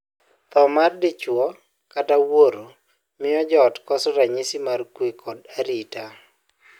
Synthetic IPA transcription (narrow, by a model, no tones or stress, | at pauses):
t̪ɔmardɪt͡ʃwɔ | katawoɾo | mɪɔd͡ʒɔtkɔsɔɾaɲisimarkwikʰɔdaɾita